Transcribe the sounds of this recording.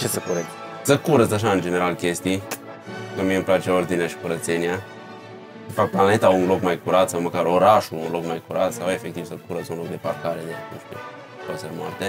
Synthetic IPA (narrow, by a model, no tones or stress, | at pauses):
t͡ʃesəkuɾə | səkuɾət͡saʃ̬aɨnd͡ʒeneɾalkʲest̪i | kəmiemplat͡ʃeord̪iniaʃi̥kuɾət̪senia | ʃifak̚plane̞t̪aunlokmajkuɾat̪səməkaɾoɾaʃuunlokmajkuɾat̪sawefekt̪ivsəkuɾət͡sunlok̚d̪e̞parkaɾed̪eak̪ṵʃt̪ḛ | kaseɾma̰rt̪e